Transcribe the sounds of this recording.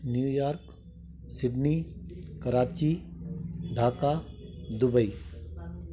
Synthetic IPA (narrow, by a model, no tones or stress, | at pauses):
njujaːɾk | sɪɖnikɐɾaːt͡ʃi | ɖʱaːkad̪ʊbəi